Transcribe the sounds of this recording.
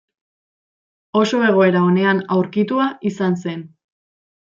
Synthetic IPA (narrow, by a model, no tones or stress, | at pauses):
o̞so̞e̞ɣ̞o̞e̞ɾao̞ne̞anawɾkit̪uaisans̬e̞n